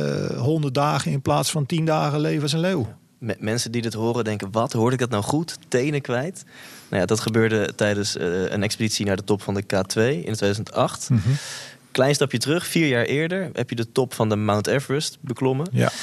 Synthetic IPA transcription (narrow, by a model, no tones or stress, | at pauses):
ɦɔndədaːχənɪnplaːtsfɑntindaːχəlejvəsɛnlew | mɛnsəndidɪtɦʊːrədɛŋkənʋɑtɦʊːɹdɪk̚dɑt̬nawχuttejnəkʋɛjtna̰wja̰ːdɑtχəbøːɹdətɛjdənsə̰nɛkspəditsinaːɹdətɔpfɑndəkaːtʋejɪ̰ntʋejdazəntɑχt | klɛjnstɑpjətərɵχfiːɹjaːɹʔɪːɹdəɹɦɛpjədətɔpfɑndəmawntɛfɹəstbəklɔmə̰